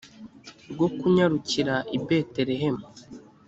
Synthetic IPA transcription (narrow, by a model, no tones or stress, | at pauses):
ɾɡo̞kuɲaɾuciɾaʔibe̞te̞ɾeɦe̞mu